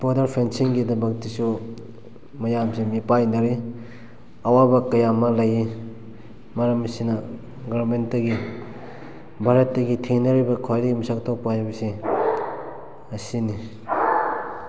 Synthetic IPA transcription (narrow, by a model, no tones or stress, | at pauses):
bodɐɾpʰensiŋɡidɐbɐk̚tisu | mɐjamsemipajnɐɾi | ɐwabɐkɐjamɐlɐji | mɐɾɐmɐsinɐ | ɡaɾmentːɐɡi | bʱaɾɐtːɐɡitʰiŋnɐɾibɐkʰojdɐɡimisak̚tʰok̚pajbɐsi | ɐsini